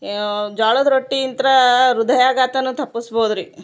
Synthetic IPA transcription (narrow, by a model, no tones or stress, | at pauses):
d͡ʒaːɭod̪ɾoʈːiːnt̪ɐɾɐɾud̪ʱɐjaːɡaːt̪ɐnut̪ʰɐpːusboːd̪ɾi